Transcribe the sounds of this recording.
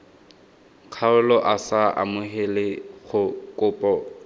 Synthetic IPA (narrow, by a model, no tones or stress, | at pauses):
kʰaʊlɔʔasaʔa̰mʊɦelɪχʊkʼʊːpʼɔ